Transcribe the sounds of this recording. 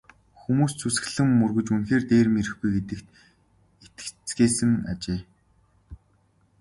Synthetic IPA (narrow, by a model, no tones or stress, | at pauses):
xumuːst͡sʰusɘ̆xɘ̆ɮɘ̆mːɵrɣɵ̆t͡ɕunxeːrt̪eːrmeɾɘ̆xɡujɡet̪ɘ̆kt̪ | et̪̚ɘ̥̆kt͡sɡeːsɘ̆ŋa̰t͡ɕeː